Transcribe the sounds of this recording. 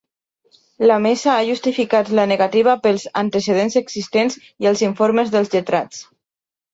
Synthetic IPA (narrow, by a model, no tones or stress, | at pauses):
ləmesaaʒust̪ifikat̪lənəɣat̪iβ̞əpəlˠzant̪əsəð̞enzəɡzist̪enz | iəlˠziɱfoɾməzðəlˠzʎət̪ɾat͡s